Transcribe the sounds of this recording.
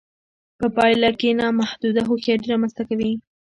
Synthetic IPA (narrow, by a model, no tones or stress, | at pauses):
pəpɑjlakenɑmahd̪ud̪aɦoxjɑɾiɾɑmanst̪akawi